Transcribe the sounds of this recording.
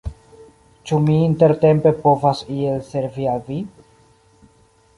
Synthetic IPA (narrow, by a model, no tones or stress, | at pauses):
t͡ʃumiːnte̞ɾte̞mpe̞po̞vasie̞lse̞ɾvialvi